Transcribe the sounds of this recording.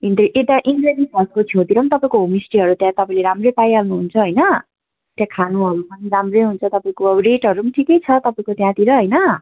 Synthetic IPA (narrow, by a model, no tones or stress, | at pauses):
ind̪eʔet̪aʔinɡredisʌskot͡sʰjot̪iɾʌmnt̪ʌpaĩkoɦumisʈiɦʌɾut̪jãt̪ʌpaĩleɾamrejpajalnuɦunt͡sʰʌɦʌjnʌ | t̪jãkʰanuɦʌɾupʌniɾamrejɦunt͡sʰʌt̪ʌpaĩkoʌɾeʈɦʌɾumʈʰikʌjt͡sʰʌt̪ʌpaĩkot̪jãt̪iɾʌɦʌjnʌ